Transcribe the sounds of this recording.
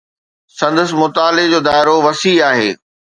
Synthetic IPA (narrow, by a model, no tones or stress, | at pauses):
sɐ̃nd̪əsmʊt̪aːlɪd͡ʑoːd̪aːɪɾoʋɐsiaːɦḛː